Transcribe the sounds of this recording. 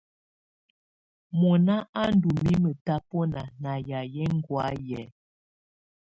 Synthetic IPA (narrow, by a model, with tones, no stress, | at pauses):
mɔ˨na˦ʔa˦n˦du˨mi˦mə˨ta˦pɔ˦na˨na˨ja˨jɛ˦ŋ˦ɡwa˨˦jɛ˨˦